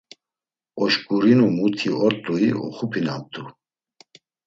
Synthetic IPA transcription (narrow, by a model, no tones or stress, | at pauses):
ɔʃkʼuɾinumut̪ʰiɔɾt̪ʼuiɔ̰χupʰinam̚t̪ʰʼu